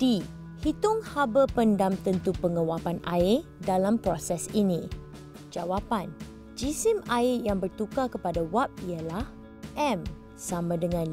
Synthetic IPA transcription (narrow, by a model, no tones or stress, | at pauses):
d̥i | hit̪ʊŋhabəpəndamt̪ənt̪upəŋə̃wapanʔa̰ɪ | dalampɾosɛsinĩ | d͡ʒawapan | d͡ʒisɪmaɪjaŋbərt̪ukakəpadawap̚ialah | ʔɛm | samãdəŋãn